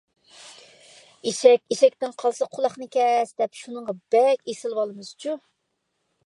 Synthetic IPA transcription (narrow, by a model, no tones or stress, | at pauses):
eʃɛkʲiʃɛk̚ʲt̪ɪnqʰɑlˠsɑqʰʊlˠɑχnɨkʲʰɛsd̪̥ɛpʃunəŋʁɑb̥ɛkʲesɪlˠwɑlˠɨmɨz̥t͡ʃʰu